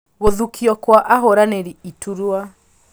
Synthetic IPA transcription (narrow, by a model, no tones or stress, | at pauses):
ɣoðukʰiɔkwaʔaɦoɾaneɾiituɾwa